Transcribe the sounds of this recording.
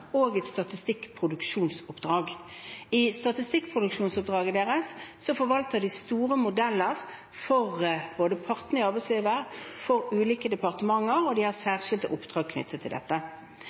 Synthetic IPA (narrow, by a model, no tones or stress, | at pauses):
oːɡɛt̪st̪ɑt̪ɪst̪ɪkːpʰʁʊd̪ʉkʃuːnsʊpd̪ʁɑːɡ | ɪst̪ɑt̪ɪst̪ɪkːpʰʁʊd̪ʉkʃuːnsʊp̚d̪ʁɑːɡəd̪eːʁəsːɔfɔʋɑlt̪əʁd̪ɪst̪uːʁəmʊd̪ɛlːəʁ | fɔʁb̥oːd̪əpʰɑʁt̪nəɪɑʁbæɪsliːʋəʁfɔʁʉːliːkəd̪ɛpɑʁt̪əmɑŋːəʁɔd̪ɪhɑʁsæːʁʃɪld̪əʔʊpːd̪ʁɑːɡ̚kʰnʏ̰t̪ʰːət̪ʰːɪld̪ɛ̰t̪ːə